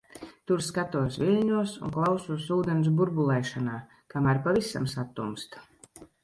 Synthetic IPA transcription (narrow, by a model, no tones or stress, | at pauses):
t̪uɾskat̪uɔsvilʲɲuɔsṵŋklˠawsuɔsuːd̪ens̬buɾbulˠɛjʃanaː | kamæɾpavisa̰msat̪ːumst̪